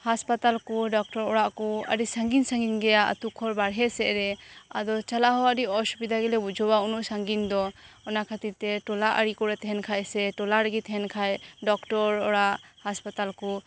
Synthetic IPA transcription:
haspat̪alkɔɖɔk̚ʈɔɾɔɽaʔkɔa̰ɾisaŋɡinsaŋɡinɡɛjaʔa̰t̪ukʰɔɾbaɽɦɛsɛʔɾɛad̪ɔt͡ʃalaɦɔaɾiɔsubid̪aɡɛlɛbud͡ʒɔwaunuʔsaŋɡind̪ɔ | ɔnakʰat̪it̪ɛʈɔlaʔaɾikɔɾɛt̪ɛɦɛnkʰajsɛʈɔlaɾaɡit̪ɦɛnkʰajɖɔkʈɔɾɔɽaʔhaspat̪alkɔ

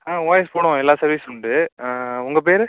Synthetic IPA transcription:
aːʋoːjɐspoːɽʊ̃ɛlːaːsɐɾʋiːsʊɳɖɯʊŋɡɐp̬eːɾɯ

